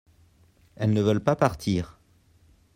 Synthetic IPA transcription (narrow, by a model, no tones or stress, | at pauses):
ɛlnəvœlpapaʁt̪ʰiːʁ